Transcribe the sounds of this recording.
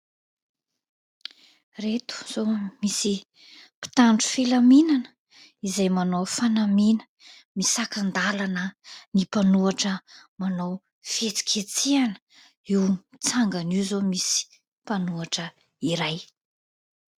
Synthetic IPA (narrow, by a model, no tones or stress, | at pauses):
ret̪u̥z̥omisi | pi̥t̪aɳʈ͡ʂu̥filaminanə | izajmanowfanaminə̥ | misakand̪alanənipanuaʈ͡ʂəmanow | fet͡si̥kʲʰet͡sianə̥ | iwt͡saŋɡanizomisi̥ | panuaʈ͡ʂə | iɾaj